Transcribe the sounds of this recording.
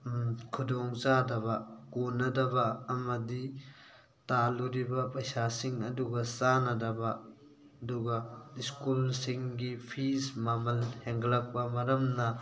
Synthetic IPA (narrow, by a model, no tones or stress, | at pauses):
kʰudɔŋzadɐbɐkonɐdɐbɐːmɐdi | taluɾibɐpɐjsasiŋɐduɡɐsanɐdɐbɐ | ɐduɡɐiskulsiŋɡipʰismamɐlheŋɡlɐk̚pɐmɐɾɐmnɐ